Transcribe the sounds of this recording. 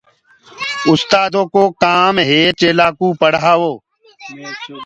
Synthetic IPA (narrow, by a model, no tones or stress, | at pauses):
ʊst̪aːd̪õːkoːkaːmɦeːt͡ʃeːlaːkũːpəɽɦaːʋoː